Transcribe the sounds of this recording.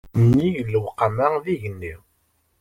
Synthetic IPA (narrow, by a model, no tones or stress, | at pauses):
nːijəlːəwqːamaðiʝənːi